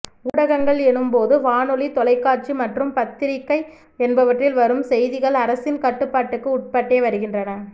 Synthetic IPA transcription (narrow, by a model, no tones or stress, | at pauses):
uːɽɐɣɐŋɡɐɭɛnɯmpoːðɯʋaːnɔlit̪ɔlɐɪkːaːɾt͡ʃimɐʈrɯmpɐt̪ːɪɾɪkːɐɪ | ɛnbɐʋɐʈrɪlʋɐɾɯmsɛjðɪɣɐɭɐɾɐsɪnkɐʈːɯpːaːʈːɯkːɯʊʈ̚pɐʈːeːʋɐɾɯɣɪndrɐnɐ